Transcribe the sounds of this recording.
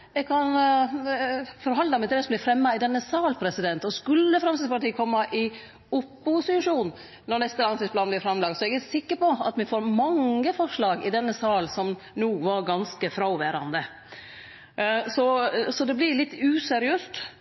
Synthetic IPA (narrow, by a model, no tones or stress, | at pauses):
ɛɡkʰɑn | fɔɾhɑnd̪ɑmɛt̪ɛːsɔmblɪfɾɛmːɑɪd̪ɛnːəsɑːlpʰɾɛsɪd̪ɛnt̪ɔskʉlːəfɾɑmsɪspɑɾt̪iːkʰɔmːɑʔɪ | ʊpːʊsʂuːn | nɔɾnɛst̪əlɑnsɪspʰlɑːnblɪɾfɾɑmlɑːɡsɔɛɡæɾsɪkːəɾpɔɑ̰t̪ʋɪfoːɾmɑŋːəfɔʂɭɑːɡɪd̪ɛnːəsɑːlsɔm | nuːʋɑɾɡɑnskəfɾɑʊʋæːɾɑ̰nd̪ə | sɔsɔd̪ɛblɪɾlɪt̪ːʉːsɛɾɪøːst̪